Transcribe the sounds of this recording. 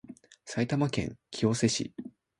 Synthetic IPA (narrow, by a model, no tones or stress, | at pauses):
sait̪amakẽ̞̰ŋkʲʰio̞se̞ɕḭ